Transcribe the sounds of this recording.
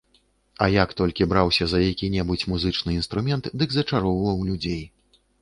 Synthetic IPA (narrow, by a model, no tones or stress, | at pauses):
ɐjakt̪ɔlʲkʲibɾawsʲɐzɐjakʲinʲɛbɨt͡sʲmuzɨt͡ʂnɨinst̪ɾumʲɛnt̪d̪ɨɡzɐt͡ʂaɾɔwvɐwlʲud͡zʲej